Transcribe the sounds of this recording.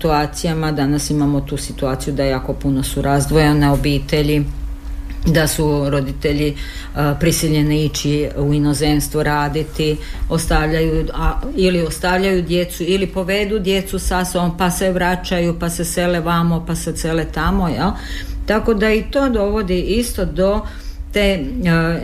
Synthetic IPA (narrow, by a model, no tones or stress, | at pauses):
t̪uaːt̪sijamad̪anasimamo̞t̪uːsit̪uaːt̪sijud̪ajaːko̞puno̞suɾazd̪ʋo̞janeobiːt̪e̞ʎi | d̪asuɾo̞d̪it̪e̞ʎi | pɾisiʎeniit͡ʃiuino̞zenst̪ʋuɾaːd̪it̪io̞st̪aʋʎajuailiost̪aʋʎajud̪je̞t̪suilipo̞ʋed̪ud̪je̞t̪susasompaseʋɾat͡ʃajupasese̞leʋamopaseselet̪amo̞jelt̪ako̞d̪ait̪o̞ːd̪o̞ʋo̞d̪iʔist̪o̞d̪o̞ | t̪e